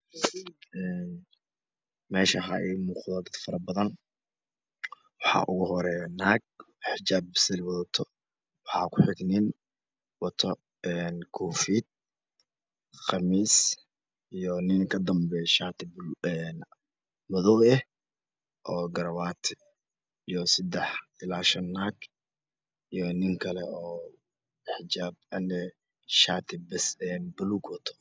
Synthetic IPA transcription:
ʔɛːn | mɛːʃɐɦɐɛmuːqðɐɡɐd̪fɐɾɐbɐðɐn | wɑħɑ̰ːʔʊɣʊɦɔɾɛnaːɡ̚ | ħɪt͡ʃaːbsɪlwɐðɔt̪ʰɔ | wɑħɑ̰ːkʰʊħɪɡnɪn | wɑt̪ʰɔ | ɛːnkʰuːfiːd̪̚ | χɑmiːs | ijɔnɪŋkʰɐd̪ɐmbɛjʃaːt̪ʰɪbɛn | mɔðɔwɛh | ʔɔːɡɐɾɐwaːt̪ʰ | ijɔsɐd̪ɛħɪlaːʃɐnːaɡ | ijɔnɪŋkʰɐlɛʔɔː | ħɪd͡ʒaːb̚ɐnːɛ | ʃaːt̪ʰɪbɐsɛnbʊluːɡwɐt̪ʰɔ̥

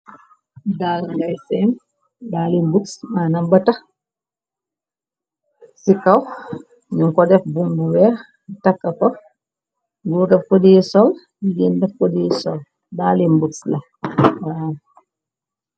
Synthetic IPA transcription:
dalŋɡajsɛn | ɗalinbuksmanambata | sikaw | ɲuŋkɔdɛfbumbuwɛɾ | takːakɔ | ɡuːdafkodiɛsɔl | jiɡindɛfkodiɛsɔl | daːlinbuksla | wa

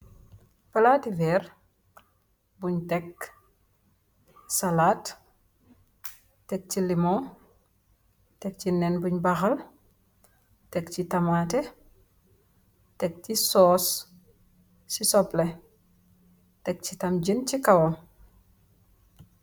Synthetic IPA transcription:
pɐlaːtivɛɾ | buɲtɛk | salaːt | tɛk̚cilimɔ | tɛk̚cinɛnbuɲbɐxɐl | tɛkcitɐmatɛ | tɛk̚cisɔːs | sisɔple | tɛk̚citɐmɟəncikawɔ

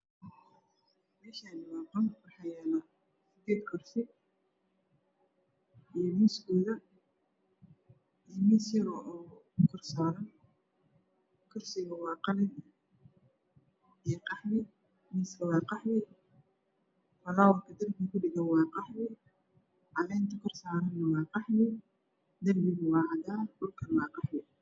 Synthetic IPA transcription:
mɛːʃaːnɪwɑːqɑnwɑħɑjaːnɐ | ɪd̪ɛːd̪kʰɔrsɪ | ʔijɞmiskuːðɐ | ijɔmiːsjɐɾɔʔɔː | kʰɔrsaːlɐn | kʰɔrsɪɣɐwɑːqɑnɪn | ijqɑħwɪ | miːskɐwɑːqɑħwɪ | fɐlaːwɐrkʰɐd̪ɐlɡɐkʰʊɖɪɣɐnwɑːqɑħwɪ | ʕɑlɛːnt̪ʰɐkʰɔrsaːɾɐnːɐwɑːqɑħwɪ | d̪ɐlbɪɣʊwɑːʕɑd̪aːɖʊlkʰɐnwɑːqɑħwɪ

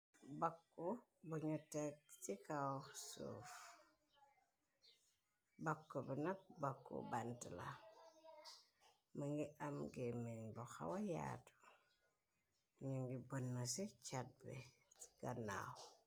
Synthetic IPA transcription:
bakːubuɲutek̚sikasṵf | bakːubunɐk̚bakːṵbantila̰ | maŋɡiʔamɡemeɲboxa̰waja̰ːtu̥ | ɲuŋɡibonːasit͡ʃat̚bḛɡ̥ana̰w

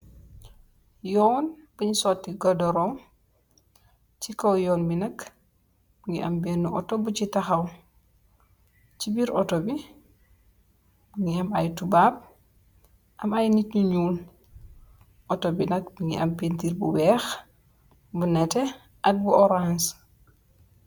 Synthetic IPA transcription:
jɔːnb̥uɲisɔtːiɡɔdɔɾɔm | cikowjɔːnbinɐk | b̥uŋɡiʔa̰mbɛnːuʔɔ̰tobucitaxaw | cibiɾɔtobi | buŋiɐmajtubaːb̚ | ʔɐmajnitɲuɲuːn | ʔɔtobinɐkbuŋɡḭɐ̰mpentiɾbuwɛːx | bunɛtɛ | ʔɐk̚buʔɔɾans

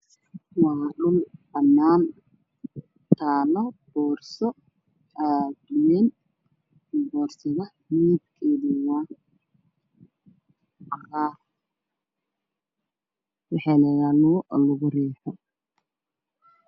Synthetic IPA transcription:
waɗʊlbɐnːaːn | t̪ʰaːlɐb̥ɔːrsɔ | aːd̪ʊwɛːn | bɔːrsɪɣɐ | miːb̪kʰɛːðiwaː | ɐɾaː | wɑħɑnɐjanuːlʊɣʊrɛːħɔ

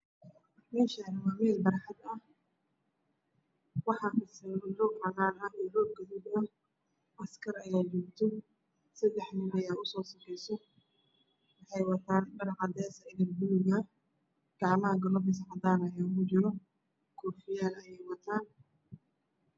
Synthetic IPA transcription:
mɛːʃɐnwaːmɛːlbɐɾɑħɑd̪ɐh | wɑħɑhɐsɐlɔːɡrɐnaːlɐɔːrɔːɡ̚ɡɐðudɐ | ʔɐskʰɐrɐjaːd͡ʒɔːɡt̪ʰɔ | sɐd̪ɛħnɪnɐjaːʊsɔːsɐfɛjsɔ | wɑħɑjwɐt̪ʰaːnbɐɾɑħɑd̪ɛːsɐɪɡɐrbʊlɪɣɐ | ɡ̥ɑʕmɐɦɐɡɐlɔːbɪs̬ɐħɐd̪aːnɐjaːkʊt͡ʃɪɾɔ | kʰɔːfɪjaːnɐjɛjwɐt̪ʰaːn

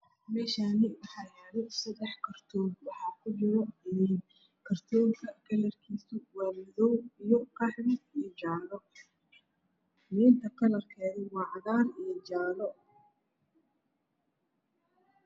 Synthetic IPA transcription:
mɛːʃaːnɪwɑħɑːjaːlɛjsɐd̪ɛħkʰɐrt̪ʰɔːb̚wɑħɑːkʰʊd͡ʒɪɾɔɛn | kʰɐrt̪ʰɔːŋkʰɐkʰɐlɐrkʰiːsʊwɑːmɪðɔwijɔkʰɑħɾɪsijɔd͡ʒaːlɔ | niːnt̪ʰɐkʰɐlɐrkʰɛːðɛwɑːʕɑðaːrijɔd͡ʒaːlɔ

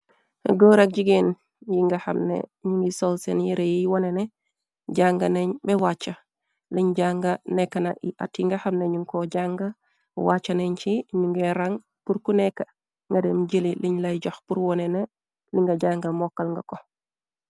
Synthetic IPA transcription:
ɡoːɾak̚ɟiɡeːn | jiŋɡɐhɐ̰mnḛɲuŋɡisolsenjiɾejiwɔnene | ɟaŋɡɐneɲbɛwat͡ʃːɐ | liɲɟaːŋɡɐnɛkːɐnaʔiʔa̰tiŋɡɐhɐmneɲuŋkoɟaŋɡɐ | wat͡ʃːɐneɲt͡ʃiɲuŋɡeɾaŋ | puɾkunɛkːɐ | ŋɡɐdemɟəliliɲlɐjɟoxpuɾwɔnene | liŋɡɐɟaːŋɡɐmɔkːɐlŋɡɐko

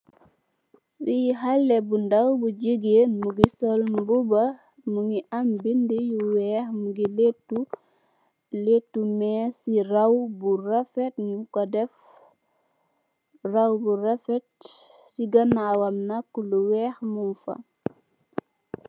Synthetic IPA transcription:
wijiɦalːɛbundawbuɟəɡenmuɡisɔlbubɐ | muŋɡiʔambindijuwɛːxmuɡiletːu | letːumɛːsiɾawburafɛtɲukɔdɛf | rawbuɾafɛt | siɡɐnawɐmnakːuluwɛːxmumfa̰

